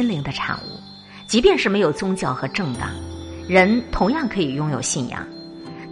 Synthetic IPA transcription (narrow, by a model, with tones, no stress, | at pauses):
nli˧˥ŋd̪ə˧ʈ͡ʂʰa̰˨˩ŋṵ˥˩ | t͡ɕi˧˥pjɛ˥˧nʂɻ̩˥˩me˧˥ɪjo˨˩ʊt͡sʊ˥ŋt͡ɕjɑ˥˩ʊxɤ˧˥ʈ͡ʂɤ˥˧ŋt̪ɑ̰˥˩ŋɻə˧˥nt̪ʰʊ˧˥ŋjɑ˥˩ŋkʰɤ˧˥i˨˩jʊ˥ŋjo˨˩ʊɕi˥˩njɑ̰˥˩ŋ